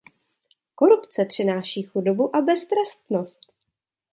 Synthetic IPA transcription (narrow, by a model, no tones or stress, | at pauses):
ko̞ɾupt͡sɛpr̥ɪnaːʃiːxudo̞buʔabɛst̪ɾɛst̪nost̪